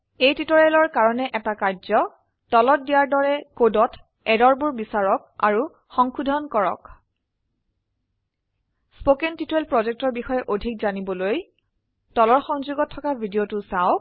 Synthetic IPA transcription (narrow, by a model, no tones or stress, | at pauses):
ejtitɔɹelɔɹkaɹɔnɛʔɛtakaɹzɔ | tɔlɔt̚dijaɹdɔɹɛkodɔtʰ | ɛdɔɹbʊɹbisaɹɔka̰ɹu | xɔŋxudʱɔnkɔɹɔ̰k | spokɛntitelpɹɔzɛk̚tɔɹbixɔjɛʔodʱik̚zanibɔloj | tɔlɔɹxɔŋzuɡɔtʰːɔkabʱidiotʊsaʊk